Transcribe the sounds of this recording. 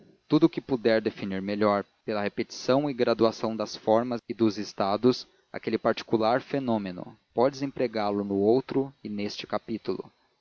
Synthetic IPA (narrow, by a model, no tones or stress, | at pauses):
t̪ud̪ʊkɪpud̪ɛɾd̪efiniɾmeʎɔɾ | pelɐhepet͡ʃi̥sɐ̃w̃ɪɡɾad̪uasɐ̃w̃d̪ɐsfɔɾmɐzɪd̪ʊzɪst̪ad̪ʊs | a̰kelɪpaɾt͡ʃi̥kulaɾfenõmenʊ̰pɔd͡ʒɪzẽpɾeɡaɾlʊnʊowt̪ɾʊɪnest͡ʃɪ̥kapit̪ulʊ̰